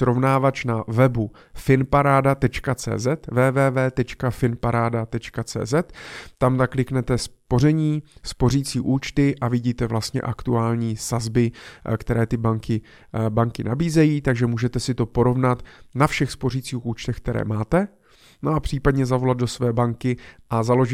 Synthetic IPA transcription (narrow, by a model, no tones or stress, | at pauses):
sɾo̞vnaːvat͡ʃnavɛbu | fɪnpaɾaːdat̪ɛt͡ʃkat͡sɛ̰ːzɛt̪vɛːvɛːvɛːt̪ɛt͡ʃkafɪnpaɾaːdat̪ɛt͡ʃkat͡sɛ̰ːzɛt̪ːamt̪aklɪknɛt̪ɛspo̞rɛɲiːspo̞riːt͡siːʔuːt͡ʃt̪ɪʔavɪɟiːt̪ɛvlast̪ɲɛ̰ʔakt̪uaːlɲiːsazbɪkt̪ɛɾɛːt̪ɪbaŋkɪ | baŋkɪnabiːzɛjiːt̪aɡʒɛmuːʒɛt̪ɛsɪt̪o̞po̞ɾo̞vnat̪nafʃɛxspo̞riːt͡siːxuːt͡ʃt̪ɛxk̚t̪ɛɾɛ̰ːmaːt̪ɛ | noapr̝̥iːpad̪ɲɛzavo̞lad̪̚do̞svɛːbaŋkɪʔazalo̞ʒɪ